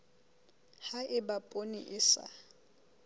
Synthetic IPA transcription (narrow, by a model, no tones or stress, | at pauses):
haʔɪbapʼonḭʔɪsa̰